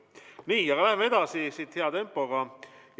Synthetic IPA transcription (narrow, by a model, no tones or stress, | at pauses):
niːjɑkɑlæhemee̞d̪ɑsisit̪heɑt̪e̞mpːˑoɡ̥ɑj